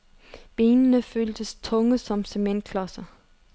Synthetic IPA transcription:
b̥e̝ːnənəføːld̥əst͡sʰɔ̽ŋəsɒ̽msemen̰d̥̚kʰlɒsɐ

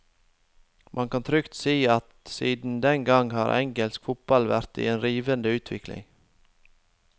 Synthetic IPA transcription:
mʔɑnkʰɑnt̪ʰɾʏkt̪siːɑt̪siːd̪n̩d̪ɛŋɡɑŋhɑ̰ːɾʔɛ̰ŋɡɛlskfʊt̪̚b̥ɑlʋæɾt̪ḭːeːnɾiːʋənd̪əʉːt̪ʰʋɪklɪ̰ŋ

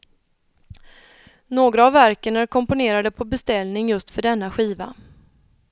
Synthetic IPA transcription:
noːɡɾaːvːæɾkəɳaɾkʰɔmpʊneːɾad̪əpʰɔbɛst̪ɛlnɪŋjɵst̪fœɖɛnːaɧiːva̰

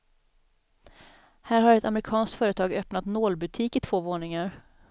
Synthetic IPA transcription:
hæːɾhaɾɛt̪amɾɪkʰɑːnskt̪fœːɾət̪ʰɑːɡœpnat̪noːlbɵt̪ʰiːkɪt̪ʰv̥oːvoːɳɪŋaɾ

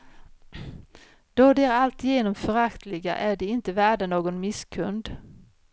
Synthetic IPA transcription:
d̪̥ɔd̪ɛæɾalt̪jeːnɔmfœɾakt̪ʰlɪɡa̰ʔæɖɛɪnt̪əvæːɖanoːɡɔnmɪskʰɵnd̪

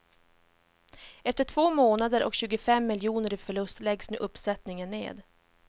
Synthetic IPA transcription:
ɛft̪əʈʰvoːmoːnad̪əɾʔɔ̰kɕʉ̟ːɡʊfɛmːɪljuːnəɾɪfœɭɵst̪lɛɡsnʉ̟̰ːʔɵpːsɛt̪nɪŋənːḛːd̪

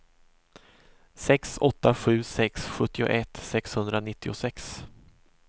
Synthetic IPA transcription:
sɛksɔt̪ːaɧʉ̟ːsɛksɧɵt̪ːɪʊ̰ʔɛt̪sɛkshɵnd̪ɾanɪt̪ʰːɪʊsɛks

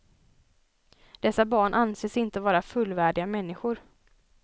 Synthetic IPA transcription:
d̪̥ɛsːabɑːɳʔanseːsɪnt̪əvɑːɾafɵlvæːɖɪɡamɛnːɪɧʊɾ

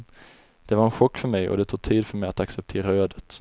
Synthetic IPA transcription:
d̪̥ɛvaɾɛnɧɔkːfœɾmɛjɔ̰d̪ɛt̪ʰuːɡ̚t̪ʰiːd̪fœɾmɛjat̪aksɛp̚t̪ʰeːɾaøːd̪ət̪

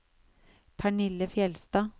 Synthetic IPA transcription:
pʰæɳɪləfjɛlst̪ɑː

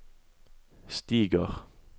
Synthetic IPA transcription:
st̪iːɡəʁ

